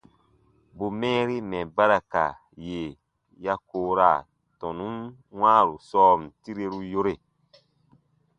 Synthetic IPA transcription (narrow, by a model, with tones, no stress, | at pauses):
bu˨mɛ̃ː˦ɾi˦mɛ̃˨ba˦ɾa˨ka̰˨ | je˨ | ja˦koː˨ɾa˨ | tɔ̃˨nũ˦m | wãː˦ɾu˨sɔː˦m̩˨ti˦ɾe˦ɾu˦jo˦ɾe˨